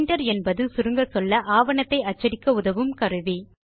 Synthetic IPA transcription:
ɳɖɐɾɛnbɐðɯsʊɾɯŋɡɐsɔlːɐʔaːʋɐɳɐt̪ːɐɪɐt͡ʃːɐɽɪkːɐʊðɐʋɯmkɐɾɯʋi

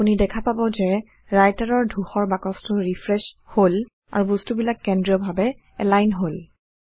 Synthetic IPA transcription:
punidɛkʰapabɔzɛ | ɹajtaɹɔɹdʱuxɔɹbakɔstʊɹipʰɹɛshol | a̰ɹubɔstubilakːɛndɹiɔbʱabɛ | ɛ̰lajnɦol

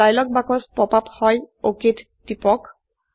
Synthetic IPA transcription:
ajlɔk̚bakɔspɔpaphɔjokit | tipɔk

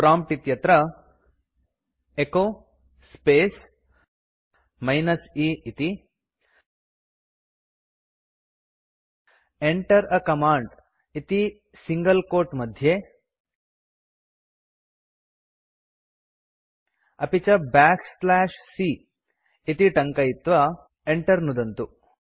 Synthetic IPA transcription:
pɾamp̚ʈit̪jɐt̪ɾə | eko | spes | majnəsiit̪i | eɳʈəɾəkɐmaːɳɖ | it̪i | siŋɡɐlkoːɾʈmɐd̪ʱje | ɐpit͡ʃɐbaːkslaːʃsi | it̪iʈɐŋkɐjit̪ʋɐ | eɳʈɐɾnud̪ɐnt̪u

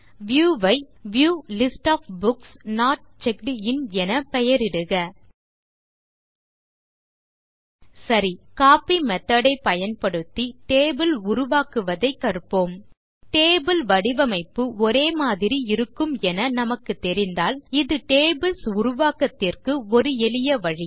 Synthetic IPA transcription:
ʋjuːʋɐɪ | ʋjuːlɪsʈaːfbʊksnaːʈ̚t͡ʃɛkɖɪnɛnɐpɛjɐɾɪɽɯɣɐ | sɐɾikaːpimɛt̪ːɐɽɐɪpɐjɐnpɐɽɯt̪ːiʈeːbɪlʊɾʊʋaːkɯʋɐðɐɪkːɐɾɯpːoːm | ʈeːbɪlʋɐɽɪʋɐmɐɪpːɯɔɾeːmaːðɪɾiɪɾɯkːɯmɛnɐnɐmɐkːɯt̪ːɛɾɪnd̪aːlɪðɯʈeːbɪlsʊɾʊʋaːkɐt̪ːɪrkɯɔɾɯɛlɪjɐʋɐɻi

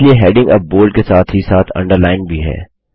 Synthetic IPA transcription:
lieɦɛːɖɪ̃ŋɡɐp̚boːlɖ̚kesaːt̪ʰɦisaːt̪ʰɐ̰̃ɳɖəɾlaːɪnbʱiɦɛ̰ː

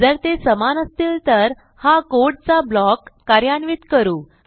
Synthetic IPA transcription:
d͡zəɾt̪esəmanəst̪iːlt̪əɾ | hakoɽt͡sablɔkːaɾjanʋiːt̪kəɾuː

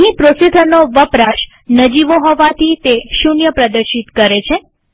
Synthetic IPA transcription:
ɦĩpɾosid̪ʱənoʋəpɾaʃ | nəd͡ʒiʋoɦɔʋat̪ʰit̪eʃunjəpɾəd̪əɾʃit̪kəɾet͡ʃʰe

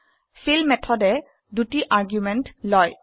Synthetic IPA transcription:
filmɛt̪ʰɔdɛ | dutiʔaɹɡjumɛntlɔj

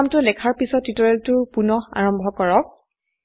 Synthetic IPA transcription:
mtʊlɛkʰaɹpisɔtːitɔɹɛltʊpunɔha̰ɹɔmbʱɔkɔɹɔk̚

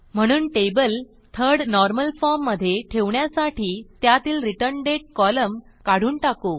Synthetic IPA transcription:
m̤əɽ̃uːnʈebəl | t̪ʰəɾɽnɔɾməlfɔɾmːəd̪ʱːjeʈʰeʋɳjasaʈiːt̪jat̪iːlɾiʈəɾnɖeʈ̚kɔləm | kaɽ̤uːnʈako

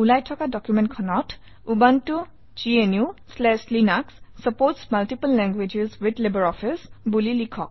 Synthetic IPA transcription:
ulajtʰɔkadɔkjumɛ̃ntkʰɔnɔt | ubantu | d͡ʒienjuslɛslinakssɔpoɹtsmaltipəlːɛŋɡwed͡ʒezwidlebəɹɔfʰisbulilikʰɔk̚

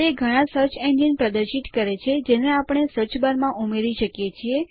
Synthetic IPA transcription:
eɡʱəɽ̃ãsəɾt͡ʃend͡ʒinpɾəd̪əɾʃit̪kəɾet͡ʃʰed͡ʒeneapəɳ̃esəɾt͡ʃbaɾmãʔumeɾiʃəkjet͡ʃʰie

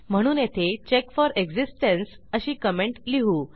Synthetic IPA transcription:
m̤əɽ̃uːnjet̪ʰet͡ɕekfɔɾeɡd͡ʑisʈəns | əɕiːkəmeɳʈliɦuː

